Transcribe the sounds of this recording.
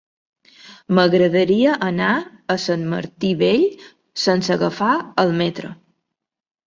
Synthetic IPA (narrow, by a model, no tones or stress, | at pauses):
məɣɾəðəɾiəʔəna | əsənmə̰ɾt̪iβeʎ | sənsəɣəfaəlˠmɛt̪ɾə̰